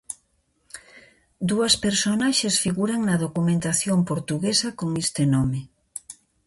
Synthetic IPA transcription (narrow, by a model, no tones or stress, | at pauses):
d̪uɐspeɾsonaʃesfiɣuɾaŋnɐðokumẽnt̪aθjompoɾt̪uɣesɐkoŋest̪enome